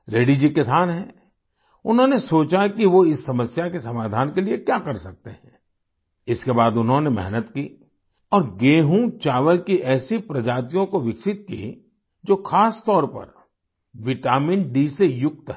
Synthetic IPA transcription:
ɾeːɖid͡ʒikɪsaːnɦɛ̃ː | ʊnɦõnesoːt͡ʃakiʋoɪsːɐməsjakesɐmaːd̪ʱaːnkeliekjakɐɾsɐk̚t̪eɦɛ̃ː | ɪskebaːd̪ʊnɦõnemɛ̰ɦnət̪ki | ɔːɾɡeːɦũt͡ʃaːʋəlkiʔɛːsipɾɐd͡ʒaːt̪ijõkoʋɪksɪt̪̚kḭ | d͡ʒoːxʰaːst̪ɔːɾpɐ̰ɾ | ʋɪʈaːmɪ̃nɖiːsejʊk̚t̪ɦɛ

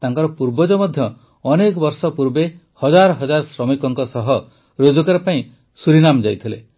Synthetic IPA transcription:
t̪aŋkɔɾɔpuɾbɔd͡ʒɔmɔd̪ʱjɔː | nekɔbɔɾsɔpuɾbe | hɔd͡ʒaɾɔɦɔd͡ʒaɾɔsɾɔmikɔŋkɔsɔɦɔ | ɾod͡ʒukaɾepaĩ | suɾinamd͡ʒajt̪ʰilḛ

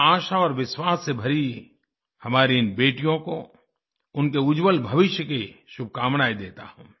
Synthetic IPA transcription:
aːʃaɔːɾʋɪswaːsːebʱɐɾi | hɐmaːɾiɪnbeːʈijõko̰ | ʊnkeʊd͡ʒwəlbʱɐʋɪʃjəkeʃʊbʱkaːmnaːid̪eːt̪a̰hṵ̃ː

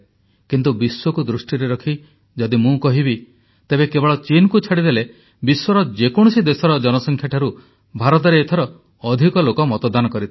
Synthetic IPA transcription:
kint̪ubiswɔkud̪ɾusʈiɾeɾɔkʰi | d͡ʒɔd̪imũkɔɦibi | t̪ebekebɔɭɔt͡ʃinkut͡ʃʰaɽid̪ele | biswɔɾɔd͡ʒekɔɽ̃usid̪esɔɾɔd͡ʒɔnɔsɔŋkʰjaʈʰaɾu | bʱaɾɔt̪̬ɔɾeːt̪ʰɔɾɔː | d̪ʱikɔlokɔmɔt̪ɔd̪anɔkɔɾit̪ʰi

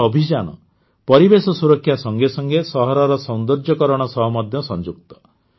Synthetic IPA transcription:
ɔbʱid͡ʒanɔ̰ | pɔɾibesɔsuɾɔkʰːjasɔŋɡesɔŋɡesɔɦɔɾɔɾɔsɔnd̪ɔɾd͡ʒɔkɔɾɔɽ̃ɔsɔɦɔmɔd̪ʱjɔsɔnd͡ʒuk̚t̪ɔ̥

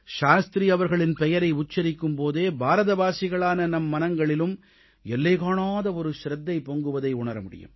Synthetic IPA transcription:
ʃaːst̪ɾiɐʋɐɾɣɐɭɪnpɛjɐɾɐɪʊt͡ʃːɐɾɪkːɯmpoːðeːbʱaːɾɐðɐbaːsɪɣɐɭaːnɐnɐmːɐnɐŋɡɐɭɪlɯm | ɛlːɐɪɣaːɳaːðɐɔɾɯʃɾɐd̪ːɐɪpːoːŋɡɯʋɐðɐɪʊɳɐɾɐmʊɽɪ̰jɯ̰m

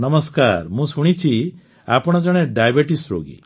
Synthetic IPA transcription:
nəmɔskaɾmũsuɽ̃it͡ʃʰi | a̰pɔɽ̃ɔd͡ʒɔɽ̃eɖajbeʈisɾo̰ɡḭ

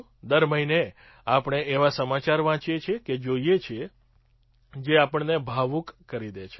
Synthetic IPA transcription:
d̪əɾməɦine | apəɽ̃eeʋasəmat͡ʃaɾʋãt͡ʃjet͡ʃʰeked͡ʒoijet͡ʃʰe | d͡ʒeapəɳnebʱaʋũkːəɾid̪et͡ʃʰe

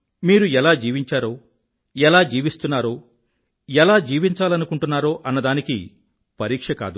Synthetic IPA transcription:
miːɾuɛlaːd͡ʒiːʋiɲt͡ʃaːɾoː | ɛlaːd͡ʒiːʋist̪unːaːɾoː | ɛlaːd͡ʒiːʋiɲt͡ʃaːlɐnukuɳʈunːaːɾoːʔɐnːɐd̪aːnikḭ | pɐɾiːkʂɐka̰ːd̪u

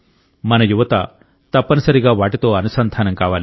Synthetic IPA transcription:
mɐnɐjuʋɐt̪a̰ | t̪ɐpːɐnɐsɐɾiɡaːʋaːʈit̪oːɐnusɐnd̪ʱaːnɐŋkaːʋaːli

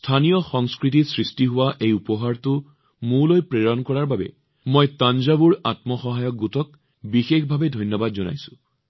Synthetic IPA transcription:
stʰanijɔxɔŋskɹitisɹistiɦʊwaʔejupɔɦaɹtʊ | mulojpɹeɹɔnkɔɹaɹbabɛ̰ | mojtanzabuɹatmɔxɔɦajɔk̚ɡutɔk | bixexbʱabɛdʱɔjnjɔbadzɔna̰jsʊ̥̃

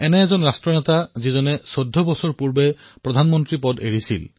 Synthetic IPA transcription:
ɛnɛːzɔnɹastɹɔnɛtazizɔnɛsodʱːɔbɔsɔɹpuɹbɛ | pɹɔdʱanmɔntɹipɔdeɹisḭl

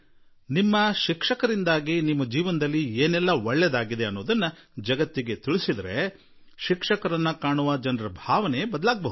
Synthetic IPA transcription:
nimːɐʃikʂɐkɐɾind̪aːɡinimːɐd͡ʒiːʋɐnɐd̪ɐlːieːnɛlːɐʋɐɭːɛd̪aːɡid̪eɐnːoːd̪ɐnːɐ | d͡ʒɐɡɐt̪ːiɡe̞t̪iɭisid̪ɐɾe̞ | ʃikʂɐkɐɾɐnːɐkaːɳuʋɐd͡ʒɐnɾɐbʱaːʋɐnebɐd̪ɐlaːɡ̚bɐɦud̪

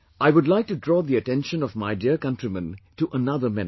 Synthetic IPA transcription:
ʔaɪwʊdlaɪk̚tudɹɔːðiɨtɛ̃nʃə̃nɔvmaɪdiəɹkʌ̃ntɹimə̃ntuʔənʌðə˞mɛ̰̃n

